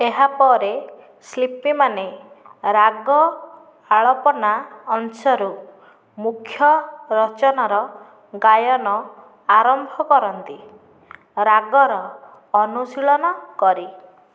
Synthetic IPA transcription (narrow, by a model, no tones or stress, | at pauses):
eɦapɔɾe | slipimane | ɾaɡɔ | aɭɔpɔnaːnsɔɾu | mukʰːjɔɾɔt͡ʃɔnaɾɔ | ɡajɔnɔ | aɾɔmbʱɔkɔɾɔnt̪i | ɾaɡɔɾɔː | nusiɭɔnɔkɔɾi